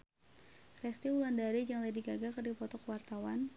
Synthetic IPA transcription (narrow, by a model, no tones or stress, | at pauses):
rɛst̪iulandaɾid͡ʒaŋlɛdiɡaɡakərdipɔt̪ɔkəwart̪awan